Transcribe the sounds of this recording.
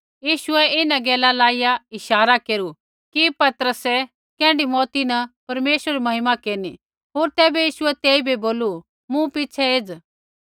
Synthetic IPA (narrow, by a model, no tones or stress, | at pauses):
jiːʃʊɛɪnãɡɛːlalaːijaɪʃaːɾakeːɾu | kipɐt̪əɾəsɛ | kɛ̃ːɳɖimɔːt̪inɐpɐɾmeːʃɾimɐɦɪmakeːni | ɦoːɾt̪ɛːbɛjiːʃʊɛt̪eːibʱiboːlu | mũpɪt͡ʃʰɛeːd͡z